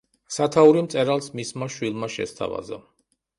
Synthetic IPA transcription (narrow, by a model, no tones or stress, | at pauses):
sat̪ʰauɾimt̪sʼɛɾalˠsmismaʃwilˠmaʃɛ̰st̪ʰa̰va̰za